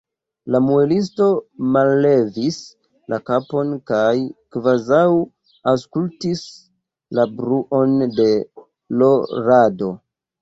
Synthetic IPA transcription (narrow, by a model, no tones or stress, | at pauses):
lamuelis̬to̞malːe̞vis | lʔakapo̞nkajkvazaw | awskultis | labɾuʔo̞nde̞ | lo̞ɾado̞